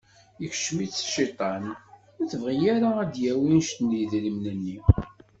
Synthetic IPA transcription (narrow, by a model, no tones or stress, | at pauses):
jəç̥ʃmit͡sːʃit̪ˤɑn | ʊθəvʁijaɾaæd̪jæwinʃt̪niðɾimnənːi